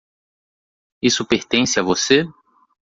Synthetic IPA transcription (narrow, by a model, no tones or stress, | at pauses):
isʊpeɾt̪ẽsɪavose